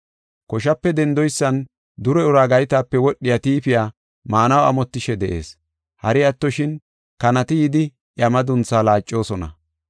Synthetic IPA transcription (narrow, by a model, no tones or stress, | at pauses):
kɔʃɐpːɛd̪ɛnd̪ɔjsːɐn | d̪ʊɾɛʊɾaːɡɐjɪt̪aːpːɛwɔɗːɪjat̪iːpɪjaː | maːnɐwɐ̰mɔt̪ːɪʃɛd̪ɛʔe̞̰ːs | hɐɾɪɐt̪ːɔʃɪn | kɐnɐt̪ɪjɪd̪ɪ | ʔjɐmɐd̪ʊnt͡sːaːlaːt͡ʃʼːo̞ːsɔnɐ̰